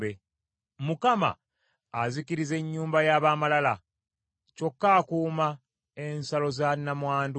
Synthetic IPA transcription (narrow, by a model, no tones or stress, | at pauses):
be | mukama̰ː | zikiɾize̞ɲːuːmbajaːβaːmalala | co̞kːaːkuːma | ensalo̞zanːamwaːndu